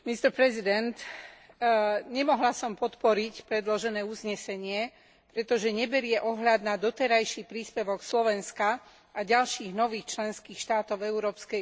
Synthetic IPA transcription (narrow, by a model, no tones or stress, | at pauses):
mist̪ɛɾpɾɛzid̪ɛnt̪ | ɲɛmɔɦlasɔmpɔt̪pɔɾicpɾɛd̪lɔʒɛnɛːuzɲɛsɛɲɪɛ | pɾɛt̪ɔʒɛɲɛbɛɾɪɛʔɔɦʎad̪nad̪ɔt̪ɛɾajʃiːpɾiːspɛʋɔkslɔʋɛnska | aɟalʃiːɣnɔʋiːxt͡ʃlɛnskiːxʃt̪aːt̪ɔʊɛuɾɔːpskɛ